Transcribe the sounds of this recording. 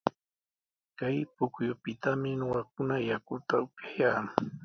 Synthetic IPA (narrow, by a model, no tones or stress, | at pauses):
kajpʊkjʊpɪt̪amɪnoɢak̚ʊnajakʊt̪aʊpjajaː